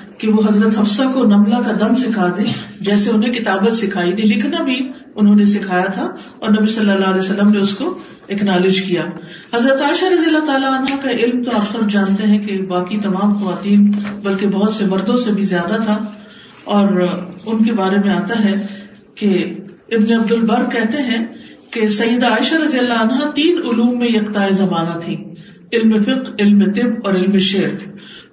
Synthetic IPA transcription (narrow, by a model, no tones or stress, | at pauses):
keʋoɦɐzɾət̪ɦɐfsakonɐmlakad̪ɐmsɪkʰaːd̪ẽd͡ʒɛːseʊnɦẽkɪt̪aːbət̪sɪkʰaːinẽlɪkʰnabʱi | ʊnɦõːnesɪkʰaːjat̪ʰa | ɔːɾnɐbisɐlːalːaɦlɛːsɐlːəmneʊsko | ɛknaːlɪd͡ʒkijaː | hɐzɾət̪aːɪʃaɾɐd̪ijəlːat̪aːlaənɦakaʔɪlmt̪oaːpsɐbd͡ʒãːnt̪eɦɛ̃kebaːkit̪ɐmaːmxɐʋaːt̪iːnbɐlkebɐɦʊt̪sebɐɾd̪õsebʱizjaːd̪at̪ʰa | ɔːɾʊnkebaːɾemẽaːt̪aɦɛ | ke | ɪbneɐb̚d̪ʊlbɐɾkɛɦt̪eɦɛ̃kesɐjːəd̪aːɪʃaɾɐzijəlːaɐnɦat̪iːnʊluːmːẽjɐkt̪aːezɐmaːnat̪ʰĩː | ɪlmefɪqɪlmet̪ɪbɔːɾɪlmeʃeːɾ